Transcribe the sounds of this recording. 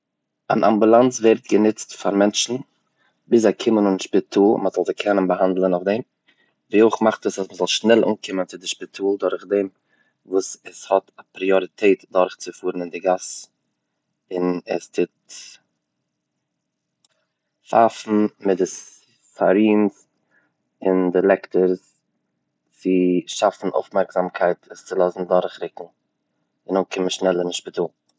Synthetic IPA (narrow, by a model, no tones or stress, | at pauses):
a̰nʔa̰mbulˠant͡svɛɾtɡənɪt͡stfaɾmɛnt͡ʃn̩ | bɪz̬akʰɪmənʊnʃpɪtʰuːlˠməzɔlˠzɪkʰɛnənbəɦandlˠənʊfdem | viːʊχmaχtəsasməzɔlˠʃnɛlˠʔṵːnkʰɪmənt͡sɪdɪʃpɪtʰuːlˠdʊɾχdem | vuːsəshɔtapɾiɔɾɪtʰeɪtdɔɾχt͡sɪfuːɾn̩ɪndɪɡas | ɪnɛstʰɪt | fafn̩mɪdɪ | faɾiːns | ɪndɪlˠɛktəɾs | t͡sɪʃafn̩o̰ʊfmɛɾkz̥amkʰaɪtʰəst͡sɪlˠɔsn̩dʊɾχɾɪkŋ̩ | ɪnokʰɪməʃnɛlˠənɪnʃpɪtuːlˠ